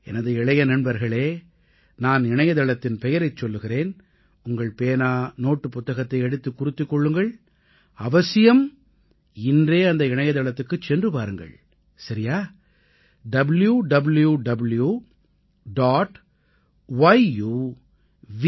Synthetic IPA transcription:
ɛ̰nɐðɯɪɭɐjɐnɐɳbɐɾɣɐɭeː | naːnɪɳɐjɐðɐɭɐt̪ːɪnpɛjɐɾɐɪt͡ʃːɔlːɯɣɪreːn | ʊŋɡɐɭpeːnaːnoːʈːɯpːʊt̪ːɐɣɐt̪ːɐɪɛɽɯt̪ːɯkːʊɾɪt̪ːɯkːɔɭːɯŋɡɐɭ | ɐʋɐsɪjɐm | ɪndreːɐnd̪ɐɪɳɐjɐðɐɭɐt̪ːɯkːɯt͡ʃːɛndrɯpaːɾɯŋɡɐ̰ɭ | sɐɾɪjaː | ɖɐbljuɖɐbljuɖɐblju | ɖaːʈ | ʋɐɪjuː | ʋ

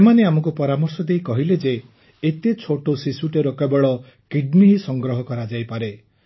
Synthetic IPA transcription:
semaneamɔŋk̬upɔɾamɔɾsɔd̪eikɔɦiled͡ʒeː | t̪et͡ʃʰoʈosisuʈeɾokabɔɭɔ | kiɖniɦisɔŋɡɾɔɦɔkɔɾad͡ʒajpaɾe

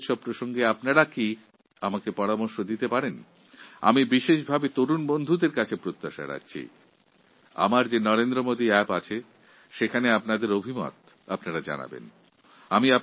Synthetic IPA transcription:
ʃɔb̚pːɾoʃoŋɡeapnaɾaki | amakepɔɾamoɾʃod̪it̪epaɾen | a̰mibiʃeʃ̬bʱabet̪oɾunbond̪ʱud̪eɾkat͡ɕʰepɾot̪ːaʃa̰ɾa̰kt͡ɕʰḭ | a̰maɾd͡ʑenɔɾend̪ɾomod̪iɛpat͡ɕʰe | ʃekʰaneapnad̪eɾobʱimɔ̰t̪ | apnaɾad͡ʑa̰na̰bḛn | amia

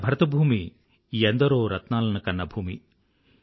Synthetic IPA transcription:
bʱɐɾɐt̪ɐbʱuːmi | end̪ɐɾoːɾɐt̪naːlɐnukɐnːɐbʱuːmḭ

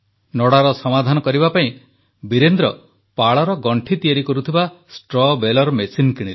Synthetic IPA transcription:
nɔɽaɾɔsɔmad̪ʱanɔkɔɾibapaĩ | biɾend̪ɾɔ | paɭɔɾɔɡɔɳʈʰit̪iaɾikɔɾut̪ʰibasʈɾɔbelɔɾmesinkiɽ̃ile

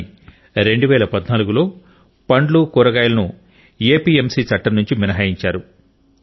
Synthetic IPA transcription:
ɾe̞ɳɖuʋɛːlɐpɐd̪naːluɡulo̞ː | pɐɳɖlukuɾɐɡaːjɐlɐnu | eːpiːemsiːt͡ʃɐʈːɐɾnuɲt͡ʃiminɐɦaːjiɲt͡ʃaːɾu

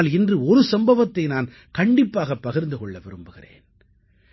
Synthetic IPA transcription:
lɪndrɯɔɾɯsɐmbɐʋɐt̪ːɐɪnaːn | kɐɳɖɪpːaːɣɐpːɐɣɪɾnd̪ɯkɔɭːɐʋɪɾɯmbɯɣɪrḛːn

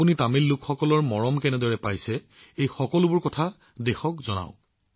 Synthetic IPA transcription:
punitamilːʊkxɔkɔlɔɹmɔɹɔmkɛnɛdɔɹɛpajsɛ | ejxɔkɔlʊbʊɹkɔtʰa | dexɔkzɔna̰ʊ̃

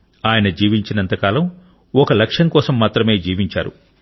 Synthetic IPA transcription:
aːjɐnɐd͡ʒiːʋiɲt͡ʃinɐnt̪ɐkaːlɐm | ɔkɐlɐkʂɐŋkɔːsɐmːaːt̪ɾɐme̞ːd͡ʒiːʋiɲt͡ʃa̰ːɾṵ

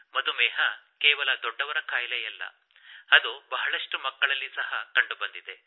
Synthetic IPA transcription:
mɐd̪umɛːɦɐkɛːʋɐlɐd̪ɔɖːɐʋɐɾɐkaːjlɛjɐlːɐ̰ | ɐd̪ubɐɦɐɭɐʂʈumɐkːɐɭɐlːisɐɦɐkɐɳɖubɐnd̪id̪e̞

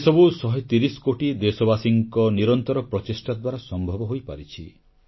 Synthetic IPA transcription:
esɔbusɔɦet̪iɾisɔ̥koʈid̪esɔbasiŋkɔniɾɔnt̪ɔɾɔpɾɔt̪isʈad̪waɾasɔmbʱɔbɔɦojpa̰ɾit͡ʃʰi

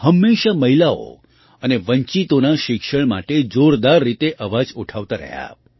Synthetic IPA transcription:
həmːeʃaməɦilao̰ | əneʋəɲt͡ʃit̪onaʃɪkʃəɳma̰ʈed͡ʒoɾd̪aɾːit̪eʔəʋad͡ʒuʈʰaʋt̪aɾə̰ɦja̰

